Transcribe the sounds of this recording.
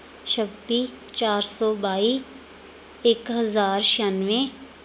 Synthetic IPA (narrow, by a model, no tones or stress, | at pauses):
t͡ʃʰəbit͡ʃaːɾsɔːbaːiː | eːkɦəzaːɾʃanʋẽ